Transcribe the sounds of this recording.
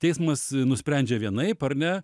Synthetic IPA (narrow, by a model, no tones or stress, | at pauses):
tʲɛɪsmɐsnʊsʲpʲɾʲænʲd͡ʒʲɛʋʲiɛnɐɪpɐɾnʲɛ